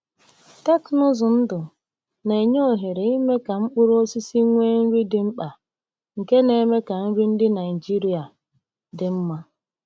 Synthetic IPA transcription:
ta˦knʊ˦zʊ˨n̩˦dʊ˨ | ne˨ɲo˦˨ɦe˨ɾe˨i˦me˦ka˨ŋ͡m̩˦k͡pʊ˦ɾo˦si˦si˦ŋʷe˦n̩˦ɾi˦dɪ˨ŋ͡m̩˦k͡pa˨ | ŋ̩˨ke˦ne˨˦me˦ka˨n̩˦ɾi˦n̩˦dɪ˦na˨ɪ˨d͡ʒi˦ɾi˦a˨ | dɪ˨m̩˦ma˦

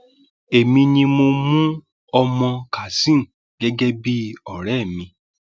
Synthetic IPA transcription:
e˨mĩ˧nĩ˧mo˧mũ˦ | ɔ˧mɔ̃˧ka˨sĩ˦˨ | ɡ̥ɛ˦ɡɛ˦bi˦ɔ˨ɾɛ˦˨mĩ˧

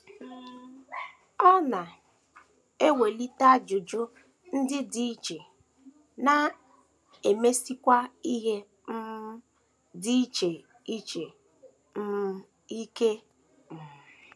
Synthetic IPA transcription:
ɔ˦na˨ | e˦we˨li˦ta˦d͡ʒʊ˨d͡ʒʊ˦ | n̩˦dɪ˦di˨i˦t͡ʃe˨ | na˨ | e˨me˦si˦kʷa˦i˦ɦe˦ | m̩˦ | di˦i˦t͡ʃe˨ | i˦t͡ʃe˨ | m̩˦m˦ | i˦ke˦ | m̩˨

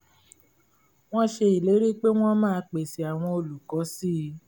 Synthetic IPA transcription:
w̃ɔ̃˦ʃe˧i˨le˨˦ɾi˦k͡pe˦w̃ɔ̃˦mãː˦˧k͡pe˨si˨a˨w̃ɔ̃˧o˨lu˨kɔ˨˦si˦˧

